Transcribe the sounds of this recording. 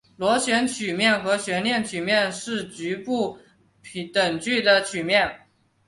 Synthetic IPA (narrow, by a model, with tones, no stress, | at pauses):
lwɔ˧˥ɕɥɛ˧˥nt͡ɕʰy˨˩mjɛ˥˩nxɤ˧˥ɕɥɛ˧˥nljɛ˥˩nt͡ɕʰy˨˩mjɛ˥˧nʂɻ̩˥˩t͡ɕy˧˥pu˥˩ | pʰt̪ə˨˩ŋt͡ɕy˥˩d̪ə˩t͡ɕʰy˨˩mjɛ˥˩n